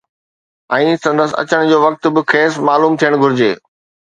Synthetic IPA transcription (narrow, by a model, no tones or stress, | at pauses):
ɛ̃ːsɐ̃nd̪əs̆ɐ̰t͡ɕəɽ̃d͡ʑoːʋɐk̚t̪ʊ̆bɪxʰeːsmaːluːmt̪ʰijəɽ̃ɡʱʊɾɪd͡ʑeː